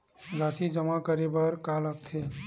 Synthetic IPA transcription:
ɾasid͡ʒəmakəɾebəɾkaləkt̪ʰe

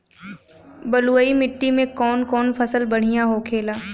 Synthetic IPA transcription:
bɐluəimɪʈːimẽkɔːnkɔːnfʰɐsəlbɐɽ̤̃ijaɦokʰeːlaː

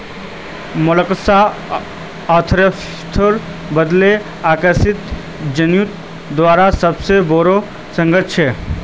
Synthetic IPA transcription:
mʊləksaː | t̪ʰɾəs | t̪ʰəɾ | bəd̪le | aːkəsit̪ | d͡ʒənjut̪ | d̪ʋaːɾasəbseboɾo | sə̃ŋɡət̪t͡ʃʰe

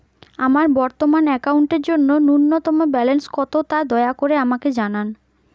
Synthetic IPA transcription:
amaɾbɔɾt̪omanɛkauɳʈeɾd͡ʑonːonuɾnːɔt̪ɔmobɛlenskɔt̪ot̪ad̪ɔeakoɾeamaked͡ʑanan

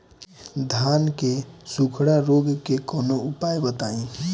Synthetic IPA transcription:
d̪ʱaːnkesukʰɽaɾoɡkekɔːnoʊpajbət̪aːĩ

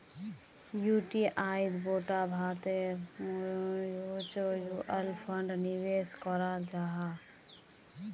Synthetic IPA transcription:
juʈiʔaːid̪boːʈabʱaːt̪e | jot͡ʃojuʔəlpʰəɳɖniweskɔɾad͡ʒaːɦa

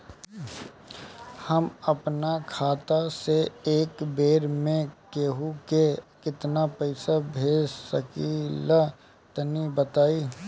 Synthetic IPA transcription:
həmɐpnakʰaːt̪aseeːkbeːɾmẽkeːɦukekɪt̪napəɪsabʱeːd͡ʒsəkila | t̪ənibət̪aːiː

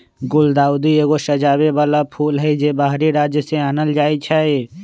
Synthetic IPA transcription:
ɡʊld̪aːʊd̪ieːɡoʃɐd͡ʒaːbebaːlapʰuːlɦɛd͡ʒebaːɦɾiɾaːd͡ʒjəsẽanəld͡ʒaːit͡ʃʰae

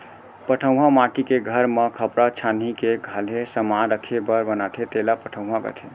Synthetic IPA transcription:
pəʈʰəw̃ɦamaʈikeɡʱəɾmekʰəpɾat͡ʃʰan̤ikeɡʱalɦesəmaɾəkʰebəɾbənat̪ʰet̪elapəʈʰə̃w̃ɦãɡə̰t̪ʰe

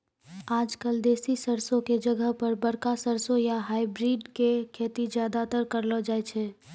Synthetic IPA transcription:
aːd͡ʒkəld̪eːsisəɾsõked͡ʒəɡəɦpəɾbəɽkasəɾsõjaɦaːɪbɾiːɖkekʰeːt̪id͡ʒjaːd̪at̪əɾkəɾlɔd͡ʒaːjt͡ʃʰɛ

